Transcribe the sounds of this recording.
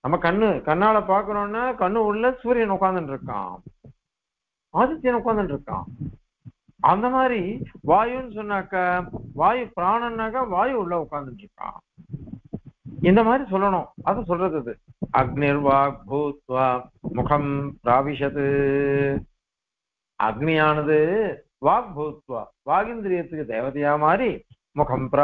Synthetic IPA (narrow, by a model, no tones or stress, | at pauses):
nɐmːɐkɐɳːɯkɐnːaːɭɐpaːɾkɯɾõːnːaːkɐɳːɯʊɭːɐsuːɾjɐnʊkːaːnd̪ɯnɖɪɾɯkːã̰ː | aːd͡ʒɐt̪ːɪjɐnʊkːaːnd̪ɯnɖɪɾɯkːã̰ː | ɐnd̪ɐmaːd̪ɾiʋaːjɯnːɯsɔnːaːkːɐʋaːjɯpɪɾaːɳɐnːaːkɐʋaːjɯʊɭːɐʊkːaːnd̪ɪnɖɪɾɯkːã̰ː | ɪnd̪ɐmaːd̪ɾis̬ɔlːɐɳʊ̃ɐðɐsɔlrɐðɐðɯɐɡniɾʋaːɡ̚bʱɐːt̪ʋamʊkʰɐmpɾaːʋɪʂɐt̪ɯ | ɐ̰ɡɳijaːnɐðɯ | ʋaːɡ̚bʱɐʋt̪ʋa̰ː | ʋaːɡɪnd̪ɪɾijɐt̪ːɯkːɯd̪eːʋɐt̪ɐjaːmaːɾi | mʊkʰɐmpɾa